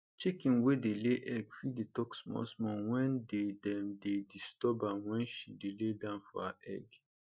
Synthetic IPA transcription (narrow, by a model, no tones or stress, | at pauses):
t͡ʃikĩnwedeleʔɛɡfidetɔksmɔ̰smɔ̃nwɛ̃ndedɛ̃mdedistɔbãwɛ̃nʃideledãʊ̃nfɔ̰haʔɛ̰ɡ